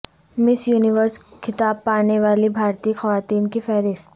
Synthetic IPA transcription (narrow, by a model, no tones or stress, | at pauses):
mɪsjuːnɪʋəɾskʰɪt̪aːb̚paːneʋaːlibʱaːɾt̪iːxɐʋaːt̪iːnkifɛːɾɪs